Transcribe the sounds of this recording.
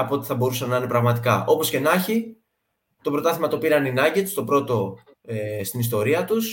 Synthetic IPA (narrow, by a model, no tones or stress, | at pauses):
ɐpoot̪i̥θɐbo̞ɾusɐnɐine̞pɾɐɣmɐt̪ikɐʔo̞po̞sce̞nɐçi | t̪o̞pɾo̞t̪ɐθimɐt̪o̞piɾɐninɐɟet̪st̪o̞pɾo̞t̪o̞ | st̪inis̬t̪o̞ɾiɐt̪us